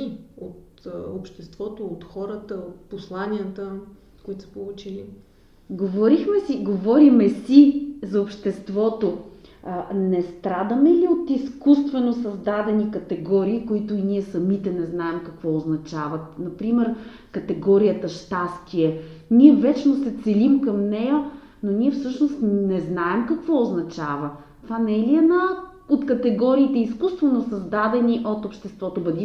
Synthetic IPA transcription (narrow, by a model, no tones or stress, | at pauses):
ot̪ | opʃt̪ɛst̪vɔt̪oot̪xɔɾət̪əot̪̚poslˠanʲiət̪ə | koit̪osə̥polˠut͡ʃili | ɡovɔɾixmɛsiɡovɔɾimɛsizɐopʃt̪ɛst̪vɔt̪o | nɛst̪ɾad̪əmɛliot̪iskust̪vɛnosɐzd̪ad̪ɛnikɐt̪ɛɡɔɾiːkoit̪ʊiniɛsɐmit̪ɛnɛznaɛmkɐkvɔoznɐt͡ʃavɐt̪̚nɐpɾimɛɾ | kɐt̪ɛɡɔɾijət̪əʃt̪ast̪iɛ | niɛvɛt͡ʃnost̪sɛt̪sɛlimkɐmnɛjə | noniɛfsɤʃnost̪nɛznaɛmkɐkvɔoznɐt͡ʃavə | t̪ovanɛliɛna | ot̪kɐt̪ɛɡɔɾiːt̪ɛiskust̪vɛnosɐzd̪ad̪ɛniʔot̪opʃt̪ɛst̪vɔt̪obɐd̪i